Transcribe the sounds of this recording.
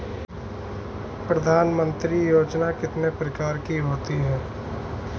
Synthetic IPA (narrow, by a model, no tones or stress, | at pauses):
pɾɐd̪ʱaːnmə̃nt̪ɾijoːd͡ʒnakɪt̪nepɾəkaːɾkiɦoːt̪iɦɛː